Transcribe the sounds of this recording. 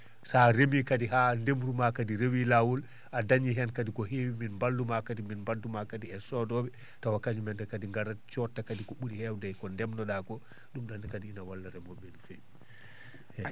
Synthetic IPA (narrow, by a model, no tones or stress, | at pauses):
saɾemikadiɦandemɾumakadiɾewilawul | ʔadaɲiɦɛnkadikɔɦewiminmbaldumakadiminmbaldumakadiɛsɔdɔbɛ | tawakaɲumɛndɛkadiŋɡaɾat͡ʃɔtːakadikɔɓuɾihɛwdajkɔndɛmnɔɗakɔ | ɗumɗankadiinawalːaɾɛmɔɓɛnfɛ